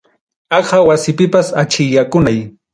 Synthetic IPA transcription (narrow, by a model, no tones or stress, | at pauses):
ɑɢawasɪpɪpasat͡ʃɪʎakʊnaj